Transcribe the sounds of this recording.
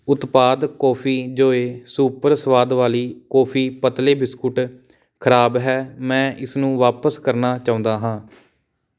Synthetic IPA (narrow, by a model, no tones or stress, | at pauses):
ʊt̪paːd̪kɔːpʰiːd͡ʒoːeːsuːpəɾsʋaːd̪ʋaːliːkɔːpʰiːpət̪leːbɪskʊʈ | kʰəɾaːbɦɛːmɛ̃ːʔɪsnũːʋaːpəskəɾnaːt͡ʃaːʊ̃nd̪aːɦãː